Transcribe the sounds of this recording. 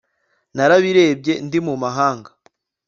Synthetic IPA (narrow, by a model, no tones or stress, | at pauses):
naɾaβiɾe̞ːb̚ɟe̞ndimumaɦaːŋɡa